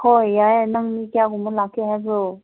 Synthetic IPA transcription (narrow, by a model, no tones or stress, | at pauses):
hojːajnaŋnikijaɡumɯlakʰːehazu